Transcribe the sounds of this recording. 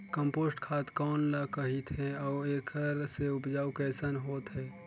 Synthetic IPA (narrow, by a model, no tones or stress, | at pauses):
kə̃mpoːsʈkʰaːt̪kɔːnlakəɦit̪ɦɛ̃ɔːeːkʰəɾseʊpd͡ʒaːukɛːsənɦoːt̪ɦɛː